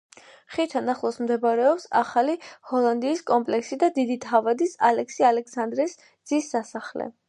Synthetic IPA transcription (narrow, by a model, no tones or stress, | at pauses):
χit̪ʰanaχlˠɔsmd̪ɛbɾɛɔpsaχalihɔlˠand̪iːskʼɔmpʼlɛksid̪ad̪id̪it̪ʰavad̪isalɛksialɛksand̪ɾɛs | d̪z̥isːasaχlɛ̰